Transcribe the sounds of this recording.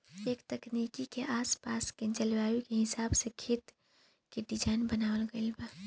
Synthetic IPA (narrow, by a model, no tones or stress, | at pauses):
eːkt̪ɐknikikeʔaːspaːsked͡ʒəlʋaːjikeɦɪsaːbsekʰit̪ | keɖid͡ʒaːɪnbənaːwlɡɐilba